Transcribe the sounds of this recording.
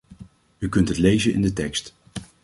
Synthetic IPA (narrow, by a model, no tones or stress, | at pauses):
ykɵntɦətlejzənʔɪ̰ndətɛkst